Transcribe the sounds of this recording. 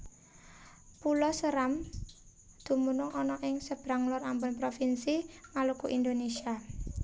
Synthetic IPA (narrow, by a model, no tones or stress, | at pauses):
pulɔsəɾam | d̪̥ṳmunʊŋʔɔnɔʔɪŋsəb̥ɾaŋlɔɾambɔnpɾofinsimalukuʔind̪onesia